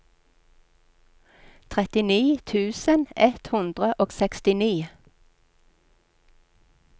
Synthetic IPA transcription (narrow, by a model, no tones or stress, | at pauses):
t̪ʰʁɛt̪ɪniːt̪ʰʉːsənɛt̪hʉnd̪ʁəʔoːɡsɛkst̪ɪniː